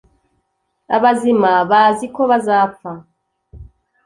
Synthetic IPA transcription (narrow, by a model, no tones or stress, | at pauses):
aβazimaβazikoβazap̪fa